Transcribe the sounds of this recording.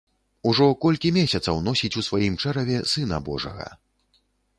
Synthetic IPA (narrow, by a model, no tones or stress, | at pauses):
uʐɔkɔlʲkʲimʲesʲɐt̪sɐwnɔsʲit͡sʲusvajimt͡ʂɛɾɐvʲɛsɨnɐbɔʐɐ̰ɣɐ̰